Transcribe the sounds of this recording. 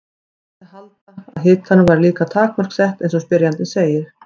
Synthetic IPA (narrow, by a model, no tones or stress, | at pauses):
ɪhalt̪aaðɦɪːt̪hanːʏvaɾliːkat̪ʰaːkmœɾ̥ksɛht̪ejnsɔspɪɾjant̪ɪseːjɪɾ̥